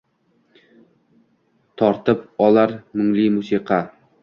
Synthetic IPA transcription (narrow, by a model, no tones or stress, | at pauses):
t̪ʰɒɾt̪ɪpɒlaɾmʊŋlimʊsiqʰɑ